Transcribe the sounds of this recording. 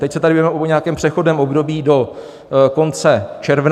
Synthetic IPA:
t̪ɛcsɛt̪adɪbivɛmɛʔoɲaakɛːmpr̝̥ɛxo̞dnɛːmʔo̞bdo̞biːdo̞ | ko̞nt͡sɛt͡ʃɛɾvn

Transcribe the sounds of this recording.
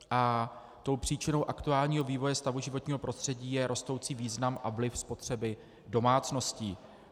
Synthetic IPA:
ʔa | t̪o̞wpr̝̥iːt͡ʃɪno̞wʔakt̪uaːlɲiːɦo̞viːvo̞jɛst̪avuʒɪvot̪ɲiːɦo̞pɾost̪r̝̥ɛɟiːjɛɾʔo̞st̪o̞wt͡siːviːznamʔavlɪfspo̞t̪r̝̥ɛbɪ | do̞maːt͡sno̞sciː

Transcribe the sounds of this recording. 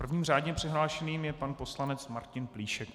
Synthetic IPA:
pr̩vɲiːmr̝aːdɲɛpr̥ɪɦlaːʃɛniːmjɛpanpo̞slanɛt͡smaɾcɪnpliːʃɛk

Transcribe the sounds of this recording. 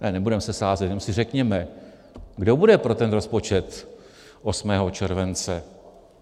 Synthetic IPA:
nɛnɛbudɛmsɛsaːzɛt̪nɛmsɪrɛkɲɛmɛ | ɡdo̞budɛpɾo̞t̪ɛnɾo̞spo̞t͡ʃɛt̪ | ʔosmɛːɦo̞t͡ʃɛɾvɛnt͡sɛ

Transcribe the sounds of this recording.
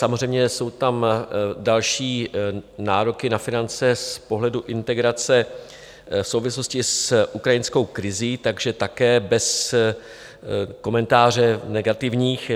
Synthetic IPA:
samor̝ɛjmɲɛso̞wt̪amdalʃiːnaːɾo̞kɪnafɪnant͡sɛspo̞ɦlɛduʔɪnt̪ɛɡɾat͡sɛ | fsowvɪslo̞scɪsʔukɾajɪnsko̞wkɾɪziːt̪aɡʒɛt̪akɛːbɛs | ko̞mɛnt̪aːr̝ɛnɛɡat̪ɪvɲiːx

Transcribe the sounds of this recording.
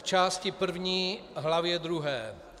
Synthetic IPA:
t͡ʃaːscɪpr̩vɲiːɦlavjɛd̪ɾuɦɛː

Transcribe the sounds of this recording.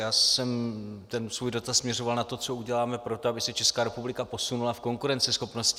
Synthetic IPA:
jaːsɛmt̪ɛnsvuːjdo̞t̪asmɲɛro̞valnat̪o̞t͡so̞uɟɛlaːmɛpɾo̞t̪oabɪsɛt͡ʃɛskaːɾɛpublɪkapo̞sunulafko̞ŋkuɾɛnt͡sɪsxo̞pno̞sc

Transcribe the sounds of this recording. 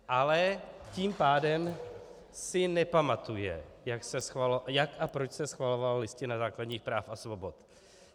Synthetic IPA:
ʔalɛciːmpaːdɛm | sɪnɛpamat̪ujɛ̰jaksɛsxvaljakʔapɾot͡ʃsɛsxvalo̞vallɪscɪnazaːkladɲiːxpɾaːfʔasvo̞bo̞t̪

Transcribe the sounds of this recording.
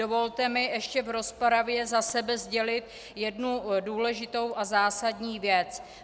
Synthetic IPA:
o̞vo̞lt̪ɛmɪʔɛʃcɛvɾo̞spaɾavjɛzasɛbɛzɟɛlɪt̪ | jɛdnuduːlɛʒɪt̪o̞wʔazaːsadɲiːvjɛt͡s

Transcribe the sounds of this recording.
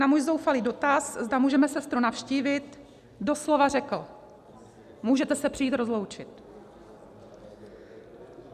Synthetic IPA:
namuːjzo̞wfaliːdo̞t̪aszdamuːʒɛmɛsɛst̪ɾunafʃciːvɪt̪ | do̞slo̞varɛkl̩ | muːʒɛt̪ɛsɛpr̝ɪjiːt̪ɾozlo̞wt͡ʃɪt̪

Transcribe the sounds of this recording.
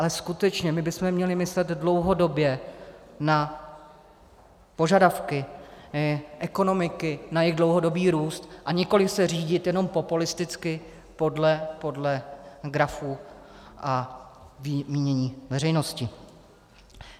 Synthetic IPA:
ʔalɛskut̪ɛt͡ʃɲɛmɪbɪsmɛmɲɛlɪmɪslɛd̪dlo̞wɦo̞do̞bjɛ | na | po̞ʒadafkɪ | ʔɛko̞no̞mɪkɪnajɪɣdlo̞wɦo̞do̞biːɾuːst̪ʔaɲɪko̞lɪsɛr̝iːɟɪt̪jɛno̞mpo̞pulɪst̪ɪt͡skɪ | po̞dlɛpo̞dlɛɡɾafuː | ʔavmiːɲɛɲiːvɛrɛjno̞scɪ

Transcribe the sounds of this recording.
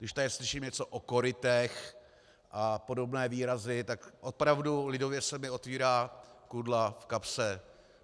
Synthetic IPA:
ɡdɪʃt̪adɪslɪʃiːmɲɛt͡soʔoko̞ɾɪt̪ɛx | ʔapo̞do̞bnɛːviːɾazɪt̪akʔopɾavdulɪdo̞vjɛsɛmɪo̞t̪viːɾaːkudlafkapsɛ

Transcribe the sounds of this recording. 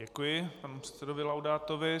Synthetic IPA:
ɛkujɪpanupr̝̥ɛ̥t̪sɛdovɪlawdaːt̪ovɪ

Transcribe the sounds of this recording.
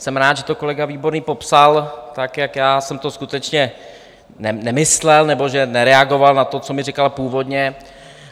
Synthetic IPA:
sɛmɾaːt̪ʒɛt̪oko̞lɛɡaviːbo̞ɾniːpo̞psalt̪akjakjaːsɛmt̪o̞skut̪ɛt͡ʃɲɛ | nɛnɛmɪslɛlnɛbo̞ʒɛnɛɾɛaɡo̞valnat̪o̞t͡so̞mɪrɪkalpuːvo̞d̪ɲɛ

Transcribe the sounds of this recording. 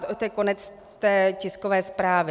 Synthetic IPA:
ot̪ɛkonɛt͡s | t̪ɛːcɪskovɛːspɾaːvɪ

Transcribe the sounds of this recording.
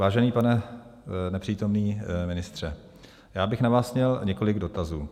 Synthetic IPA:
vaːʒɛniːpanɛ | nɛpr̥iːt̪o̞mniːmɪnɪst̪r̝̥ɛ | jaːbɪxnavaːsmɲɛlɲɛko̞lɪɡdo̞t̪azuː

